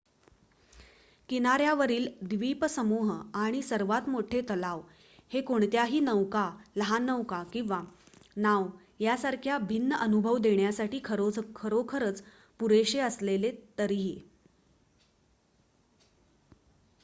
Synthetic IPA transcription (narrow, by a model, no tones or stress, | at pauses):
kinaɾjaʋəɾiːld̪ʋipəsəmuɦaɽ̃isəɾʋat̪moʈʰet̪əlaʋ | hekoɳt̪jaɦiːnəʋkaləɦanəʋkakĩʋa | naw | jasaɾkʰjabʱinːəʔənubʱəʋd̪eɳjasaʈiːkʰəɾokʰəɾokʰəɾət͡s | puɾeɕeəslelet̪əɾiɦi